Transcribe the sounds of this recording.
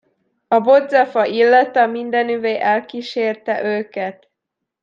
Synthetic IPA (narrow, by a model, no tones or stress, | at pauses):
ɒbo̞d̪zɒfɒʔilːɒt̪ɒmind̪ɛnyveːʔɛlkiʃeːrt̪ɛʔøːkɛt̪